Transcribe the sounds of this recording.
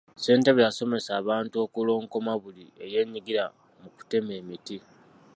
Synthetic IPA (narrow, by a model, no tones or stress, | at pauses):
se̞ːnteβjaso̞me̞saːβaːntuo̞kulo̞ːŋko̞maβulie̞je̞ːɲːiɡiɾa | muku̥te̞me̞ːmiti